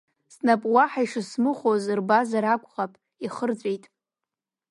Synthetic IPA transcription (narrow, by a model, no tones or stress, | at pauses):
snapʼwaħaiʂɨsmɨχʷozɨrbazaɾakʷʼχapʼ | iχərd͡zʷʼejtʼ